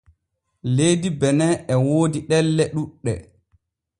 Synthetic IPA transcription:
lejdibɛnɛɛwoːdiɗɛlːɛɗuɗːɛ̰

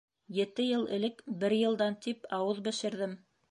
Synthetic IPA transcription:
jɘ̆t̪ɘjɤlˠɘ̰̆lɘkbɘɾjɤ̆lˠd̪ɑnt̪ipɑwɤðbɘ̆ʃɘ̆ɾðɘm

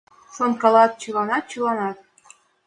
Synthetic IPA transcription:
sonkɑlɑt̪̚t͡ɕulɑnɑt̪̚t͡ɕulɑnɑt̪̚

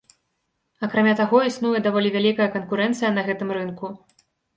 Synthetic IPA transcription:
ɐkɾamʲat̪aɣɔisnujɛd̪avɔlʲivʲalʲikɐjɐkɐnkuɾɛnt̪sɨjɐnɐɣɛt̪ɨmrɨnku

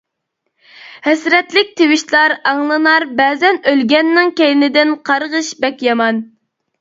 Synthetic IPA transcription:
hɛsɾɛt̪lɪk̚ʲt̪ʰewɪʃlˠɑɾɑŋlˠɨnɑɾbɛːzɛnølɡʲɛnːɪŋkʲɛjɪnɪd̪ɪnqʰɑɾʁəʃbɛkʲjɑmɑn

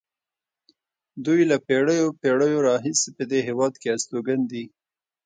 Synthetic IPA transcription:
d̪ujlapeɽəjopeɽəjoɾɑɦisepəd̪eɦewɑd̪keast̪oɡand̪i

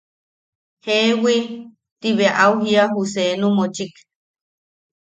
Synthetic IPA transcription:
hewi | t̪iβeaʔawɦiaɦusenũmot͡ʃik

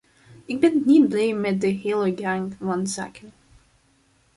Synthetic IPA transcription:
ɪɡ̚bɛnnit̚blejmɛt̚dəɦɪːlˠəɡaŋvɑnza̰ːkʰən

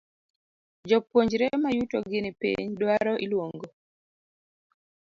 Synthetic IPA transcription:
d͡ʒɔpwoɲd͡ʒɾemajutoɡɪnɪpḭɲdwaɾɔʔilwoŋɡo

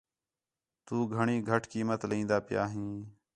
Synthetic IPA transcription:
t̪uːɡʱəɳiːɡʱəʈkiːmət̪ləĩːnd̪aːpɪja̰ːɦĩː

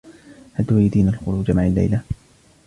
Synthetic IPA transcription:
had̪ʊwajd̪iːnalxʊɾuːd͡ʒamaʕalːa̰jla

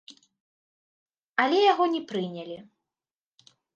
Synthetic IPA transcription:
ɐlʲɛjaɣɔnʲɛpɾɨnʲalʲi

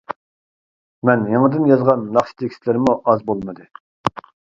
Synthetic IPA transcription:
mɛnjeŋəd̪ɪnjɑzʁɑnːɑχʃi̥t̪ʰekʲi̥slɪɾmuʔɑzbolˠmɨd̪ɨ

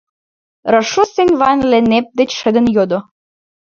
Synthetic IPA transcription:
rəʃusenʲvɑnlenep̚d̪et͡ɕʃə̆d̪ə̆njod̪o

